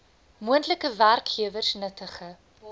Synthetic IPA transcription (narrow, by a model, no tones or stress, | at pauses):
muəntləkəværkχiəvərsnətʰəχə